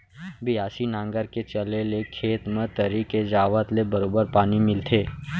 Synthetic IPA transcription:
bɪaːsinãːŋɡəɾket͡ʃəlelekʰeːt̪mẽt̪əɾiːked͡ʒaːʋət̪lebəɾoːbəɾpaːnimɪlt̪ʰeː

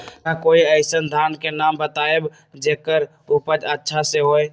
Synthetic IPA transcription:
kakoːiəɪsənd̪ʱankenambət̪aeb | d͡ʒeːkəɾ | upəd͡ʒətːʃʰaseɦoe

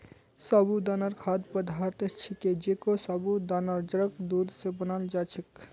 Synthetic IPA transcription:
sɔbud̪anaɾkʰad̪pəd̪ʱaɾt̪et͡ʃʰiked͡ʒekosɔbud̪anaɾd͡ʒəɾəkd̪ud̪sebənald͡ʒat͡ʃʰik

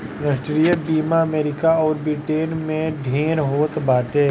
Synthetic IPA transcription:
ɾəsʈɾijəbiːmaɐmeːɾɪkaɔːɾbɾɪʈeːnmẽɖʱẽːɾɦoːt̪baːʈeː

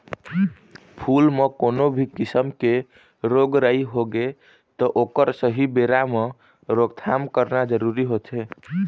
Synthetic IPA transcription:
pʰulmekonobʱikisəmke | ɾoɡɾəiɦoɡe | t̪ɔʔokəɾsəɦibeɾame | ɾoɡt̪ʰamkəɾnad͡ʒəɾuɾiɦot̪ʰe

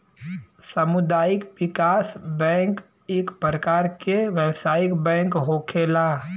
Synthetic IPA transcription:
sɐmʊd̪aːjɪkʋɪkaːsbɛ̃ːk | ɪkpɾəkaːɾkeʋɛːwsaːɪkbɛ̃ːŋkɦoːkʰeːlaː

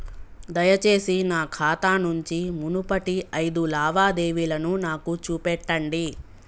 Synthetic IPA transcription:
d̪ɐjɐt͡ʃe̞ːsinaːkʰaːt̪aːnuɲt͡ʃimunupɐʈiɐjd̪ulaːʋaːd̪eːʋilɐnunaːkut͡ʃuːpɛʈːɐɳɖi

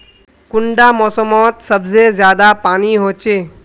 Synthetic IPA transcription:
kʊɳɖamɔːsəmɔːt̪sɐbzezjaːd̪apaːniɦoːt͡ʃeː

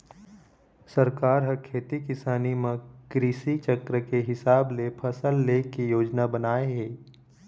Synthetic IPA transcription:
sɐɾkaːɾɦəkʰeːt̪ikɪsaːnimə̃kɾiːsit͡ʃəkɾəkeɦɪsaːblepʰɐsəlːeːkijoːd͡ʒnabɐnaːeɦeː

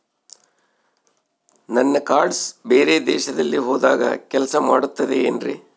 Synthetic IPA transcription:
nɐnːɐkaːɾɖsbeːɾe̞ːd̪ɛ̰ːʃɐd̪ɐlːiɦoːd̪aːɡɐ̰kʲɛlɐsɐmaːɽut̪ːɐd̪eeːnɾḭ

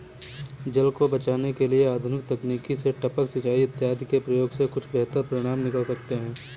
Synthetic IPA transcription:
d͡ʒɐlkobɐt͡ʃaːnekelieaːd̪ʱʊnɪk̚t̪ɐkniːkiseʈɐpəksɐt͡ʃaːiɪt̪ːjɦaːd̪kepɾɐjoːɡsekʊt͡ʃʰbɛɦt̪əɾpɾɪɽ̃aːmnɪkəlsɐkt̪eɦɛ̃ː

